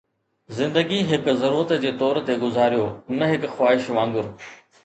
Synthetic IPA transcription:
zɪ̃nd̪əɡiɦɪkzɐɾuːɾət̪d͡ʑeːt̪ɔːɾt̪eɡʊzaːɾijoːnɐɦɪkxwaːɪʃʋãːŋɡʊɾ

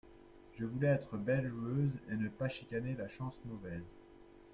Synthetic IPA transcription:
ʒəvulɛɛt̪χəbɛlʒuøzenəpaʃikanelaʃɑ̃smɔvɛz

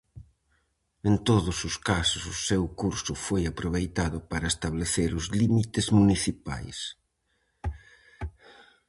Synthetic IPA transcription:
ẽnt̪oðʊsʊskasʊsʊsewkuɾsʊfojapɾoβ̞ejt̪aðʊpaɾɐest̪aβleθeɾʊzlimit̪ezmuniθipa̰js

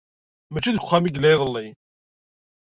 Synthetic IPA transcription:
mæt͡ʃːiðɡʊ̥χːæmiɡlæjðˤəlːi

